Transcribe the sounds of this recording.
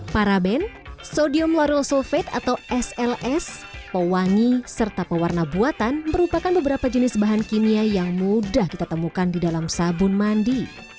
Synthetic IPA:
paɾabɛn | sodiɔmlɔɾɔlsɔfɛt̪a̰t̪awʔɛsɛlɛspəwaŋisərt̪apəwarnabuat̪anməɾupakanbəbəɾapad͡ʒənɪsbaɦankiniajaŋmudahkit̪at̪əmukandidalamsabʊnmandi

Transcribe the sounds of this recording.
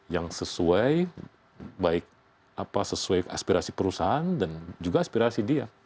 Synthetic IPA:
jaŋsəsuaj | baɪk̚ | apasəsuaja̰spiɾasipəɾusaɦandand͡ʒuɡaːspiɾasidia

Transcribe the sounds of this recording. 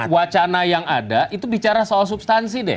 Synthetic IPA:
wat͡ʃanajaŋadaʔit̪ubit͡ʃaɾasoals̬ubst̪ansidɛ̰h

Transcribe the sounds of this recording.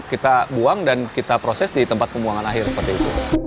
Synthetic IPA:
kit̪abuaŋdankit̪apɾosɛsdit̪əmpat̪̚pəmuaŋanaɦɪrsə̥pərt̪iːt̪ṵ

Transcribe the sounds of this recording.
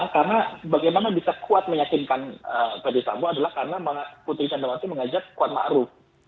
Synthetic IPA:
karənabaɡajmanabisakuat̪̚məjakɪnkanəpɛdisa̰mboadalahkarənamaŋaput̪ɾit͡ʃandamasiməŋad͡ʒakːuat̪̚ma̰ɾʊf

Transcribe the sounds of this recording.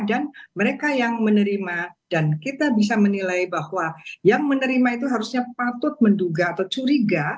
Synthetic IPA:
danməɾekajaŋmənəɾimad̥ankit̪abis̬amənilajbahwajaŋmənəɾimait̪uɦaɾusɲapat̪ʊt̪̚mənduɡaːt̪awt͡ʃuɾiɡa

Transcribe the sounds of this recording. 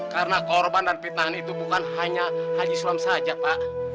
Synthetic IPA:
kaɾənakɔrbandanpit̪̚naɦanit̪ubukanɦaɲahad͡ʒisuamsad͡ʒapaʔ

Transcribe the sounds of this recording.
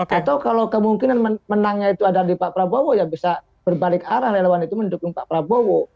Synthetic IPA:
at̪awkalawkəmuŋkinanməmənaŋait̪uadadipapɾabowojabisa | b̥ərbalɪkaɾahlelewanit̪uməndukʊŋpaʔpɾabowo

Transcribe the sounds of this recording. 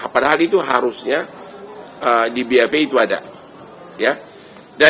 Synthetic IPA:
padaɦalit̪uɦa̰ɾusɲa | ədibeapeit̪uada̰ | ja | da

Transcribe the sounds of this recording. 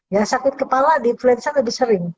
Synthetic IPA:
jasakɪt̪̚kəpaladiːnfluɛnsaləbɪhsəɾɪŋ

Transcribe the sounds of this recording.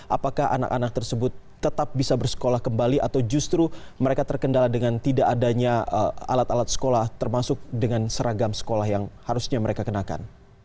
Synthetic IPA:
ʔa̰pakahʔa̰na̰ka̰nak̚t̪ərsəbʊt̪ːət̪ap̚bisabərsə̥kolahkəmbaliʔat̪awd͡ʒust̪ɾuməɾekat̪ərkəndaladəŋant̪idaʔːdaɲaa̰lat̪alat̪̚sə̥kolaht̪ərmasʊk̚dəŋansəɾaɡamsə̥kolahjaŋhaɾusɲaməɾekakənaka̰n

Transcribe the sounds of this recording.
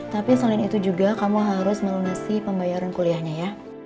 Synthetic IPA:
t̪apisəlɪnit̪ud͡ʒuɡakamuɦaɾʊsməlunusipəmbajaɾankuliahɲaja

